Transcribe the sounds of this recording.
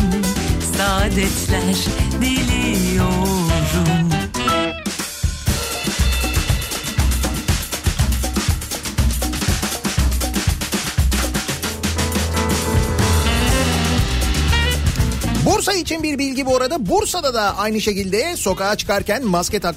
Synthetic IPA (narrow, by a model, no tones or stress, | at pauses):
saːd̪ɛt͡ʃlʲæɾd̪ilʲijoɾd̪um | buɾsait͡ʃʰinbiɾbilʲɟibioɾad̪abuɾsad̪ad̪aajnɯʃe̞cilʲd̪ɛso̞kaːt͡ʃʰɯ̥kʰaɾcʰænmascɛt̪ʰak